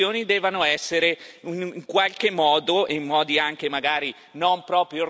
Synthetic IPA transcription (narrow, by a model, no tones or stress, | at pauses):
oːnid̪ɛːvanoɛsːeɾeiniŋkwalkemːɔːd̪oʔemːɔːd̪iaŋk̟emaɡaːɾi | nompɾɔːpɾjo